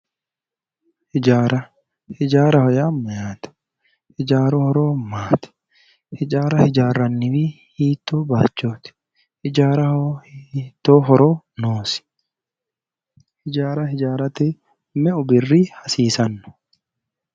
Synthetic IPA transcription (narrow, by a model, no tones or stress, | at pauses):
hɪd͡ʒaːɾɐ | hɪd͡ʒaːɾɐhɔjamːɐjaːt̪ɪ̥ | hɪd͡ʒaːɾoːhɔɾoːmaːt̪ɪ̥ | hɪd͡ʒʼaːɾɐhɪd͡ʒaːrːɐnːɪfɪ | hiːt̪ːoːbaːt͡ʃːoːt̪ɪ̥ | hɪd͡ʒaːɾɐhohit̪ːoːɦɔɾoː | noːsɪ̥ | hɪd͡ʒaːɾɐhɪd͡ʒaːɾɐt̪ɛ | mɛʊbɪrːiːhɐsiːsɐnːʊ̥